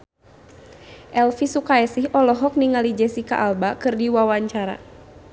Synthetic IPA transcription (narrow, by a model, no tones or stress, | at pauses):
ʔɛlfisukaɛsihʔɔlɔɦɔk̚niŋalid͡ʒɛsika̰ʔalbakɨrdiwawaɲt͡ʃaɾa̰